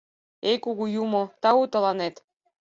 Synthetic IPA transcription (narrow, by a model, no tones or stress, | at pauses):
ekuɡujumot̪ɑut̪ɤ̆lˠɑnet̪